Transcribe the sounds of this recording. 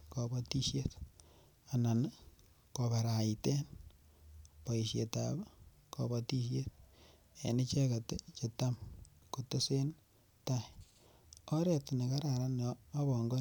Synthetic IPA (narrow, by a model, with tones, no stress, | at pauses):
kɔ˨bɔ˦ti˦ʃje˦t | a˨na˨n | kɔ˨βa˨ɾa˨ite˦n | pɔ˨i˨ʃje˨ta̰b | kɔ̰bɔ˨ti˦ʃ̬je˦t̚ | ḛ˨ni˦t͡ʃe˦ka˨tet͡ʃe˨tam | ku˨te˦se˦n | ta˦ | ɔ˦ɾe˦tne˨ka˦ɾa˨ɾa˦nː˦βɔ˨ŋɡo˦